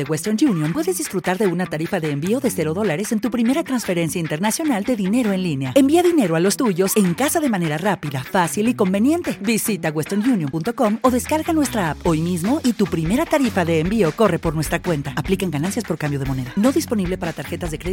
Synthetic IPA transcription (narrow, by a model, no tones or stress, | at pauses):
eɣwest̪onʝunjompwe̞ðe̞zðisfɾut̪aɾðe̞unat̪aɾifaðeːmbio̞ðe̞se̞ɾo̞ðo̞laɾe̞se̞nt̪upɾime̞ɾat̪ɾansfe̞ɾe̞nsjaint̪e̞ɾnasjo̞nald̪e̞ðine̞ɾo̞e̞nlineaembiaðine̞ɾoalo̞st̪uʝo̞se̞ŋkasaðe̞mãne̞ɾarapiðafasiliko̞mbe̞nje̞nt̪e̞bisit̪aɣwest̪oɾnʝunjompunt̪o̞ko̞mo̞ðe̞skaɾɣanwe̞st̪ɾaapo̞jmizmo̞ʔit̪upɾime̞ɾat̪aɾifaðe̞ːmbio̞ko̞re̞po̞ɾnwe̞st̪ɾakwe̞nt̪aːplikaŋɡanansjaspo̞ɾkambjo̞ð̞emo̞ne̞ðano̞ðispo̞niβle̞paɾat̪aɾxe̞t̪azðe̞kɾei